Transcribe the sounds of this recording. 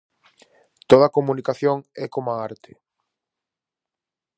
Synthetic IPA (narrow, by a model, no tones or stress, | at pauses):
t̪oð̞ɐkomunikaθjoŋɛkomaaɾt̪ʰɪ